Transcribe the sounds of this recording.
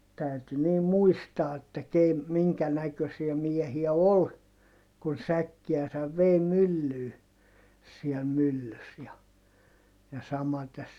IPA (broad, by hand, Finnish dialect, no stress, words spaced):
tæyty niːm muistɑː etːæ ke miŋkæ nækøsiæ miehiæ ol kun sækːiæsæʋ ʋeˑi mylːyː siɛl mylːys jɑ jɑ sɑmɑtes